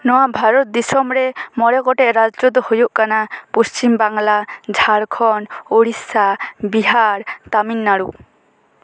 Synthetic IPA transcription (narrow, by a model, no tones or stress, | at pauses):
nɔwabʱaɾɔt̪̚d̪isɔmɾɛmɔɾɛkɔʈɛʔɾad͡ʒd͡ʒɔd̪ɔhojuʔkanapust͡ʃimbaŋlad͡ʒʱaɾkʰɔnoɽisabiɦaɾt̪aminːaɽu